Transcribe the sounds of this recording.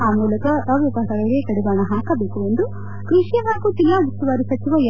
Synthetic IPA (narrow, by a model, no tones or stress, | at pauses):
aːmuːlɐkɐɐʋipaːsɐɡɐɭɡekɐɽɛbaːnɐɦaːkɐbeːkuʋond̪u | kɾuʂjɐɦaːkut̪ilːɐut̪ːuʋaːɾisɐt͡ʃiʋɐj